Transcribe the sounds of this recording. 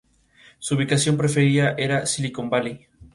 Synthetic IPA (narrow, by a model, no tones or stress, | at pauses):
suːβikasjo̞mpɾe̞feɾiaʔeɾasiliko̞mbali